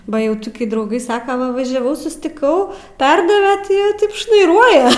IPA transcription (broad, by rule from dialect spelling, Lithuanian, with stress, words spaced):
ˈbɐ ˈjɛʊ toːˈkʲɪ drɐʊˈɡɐɪ ˈsɑːkɐ ˈʋɐ ʋɐʒʲɛˈʋɐʊ sʊsʲtʲɪˈkɐʊ ˈpʲɛrdɐʋʲɛ tʲɪ ˈjiɛ ˈtɐɪp ʃnɐɪˈruɔjɛ